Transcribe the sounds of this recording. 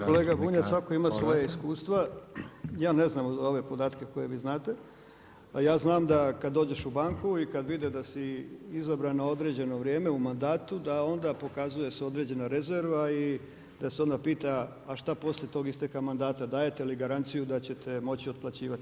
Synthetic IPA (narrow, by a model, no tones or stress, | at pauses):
ko̞leːɡabuːɲasʋako̞imasʋo̞jaiskuːst̪ʋa | jaːneznaːmo̞ʋe̞po̞d̪aːt̪keko̞je̞ʋiːznaːt̪e̞ | jaːznaːmd̪akad̪dːo̞ːd͡ʑe̞ʃubaːŋkuikad̪ʋid̪ed̪asiizabɾanao̞d̪ɾe̞d͡ʑe̞no̞ʋɾje̞ːmeumand̪aːt̪ud̪ao̞nd̪aːpo̞kazuje̞seo̞d̪ɾe̞d͡ʑe̞naɾe̞zeɾʋai | d̪̥aseo̞nd̪apiːt̪aː | ʃt̪apo̞slje̞t̪oɡist̪e̞kamand̪aːt̪ad̪aːje̞t̪eiliɡaɾant̪sijud̪at͡ɕe̞t̪ʰe̞mo̞t͡ɕiod̪plˠat͡ɕiːʋat̪i